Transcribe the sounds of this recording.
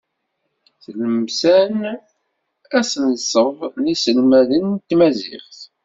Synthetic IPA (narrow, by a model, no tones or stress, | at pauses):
θləmsæn | æsənsˤəvlisəlmæðənt̪mæzɪ̰χθ